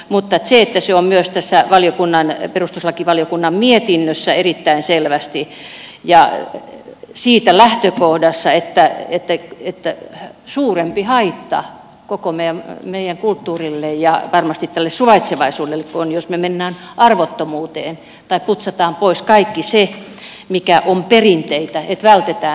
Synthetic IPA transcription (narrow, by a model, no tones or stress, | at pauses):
mut̪ːɑet̪seet̪ːæseommyøst̪æsːæʋɑljokunːɑnperust̪uslɑkiʋɑljokunːɑmmiet̪inːøsːæerit̪ːæinselʋæst̪i | jɑ | siːt̪ælæht̪økohdɑsːɑet̪ːæet̪ːæet̪ːæsuːrempihɑit̪ːɑ̰ | kokomemeijæŋkult̪ːuːrilːejjɑʋɑrmɑst̪it̪t̪ælːessuʋɑit̪seʋɑisuːdelːekkonjosmemenːæːn | ʔɑrʋot̪ːomuːt̪eːn | t̪ɑipput̪sɑt̪ɑːmpoiskɑikːise | mikæʔomperint̪eit̪æet̪ʋælt̪et̪æː